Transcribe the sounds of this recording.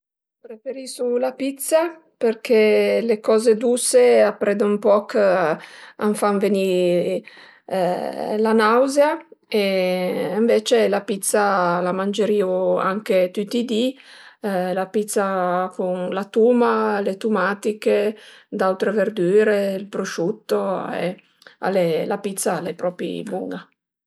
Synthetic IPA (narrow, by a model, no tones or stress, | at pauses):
pɾefeɾisulapit̪sa | peɾkʰelekɔːzed̪useapːɾʔɛd̪ompɔk | aɱfaɱveni | lanawzeaeː | ɱvet͡ʃelapit̪salamand͡ʒeɾiːoa̰ŋket̪ut̪ːid̪i | lapit̪sːakunlat̪uːmalet̪umat̪iked̪awt̪ɾeveɾd̪yːɾeilpɾoʃut̪ːoḛ | a̰lelapit̪sːalepɾɔpḭbuŋɡa